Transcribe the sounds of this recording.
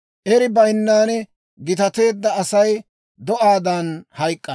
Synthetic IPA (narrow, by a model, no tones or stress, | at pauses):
ʔɛɾɪbɐjɪnːaːnɛ | ɡɪt̪ɐt̪e̞ːd̪ːɐːsɐj | d̪ɔʔaːd̪ɐnhɐjkʼːɐ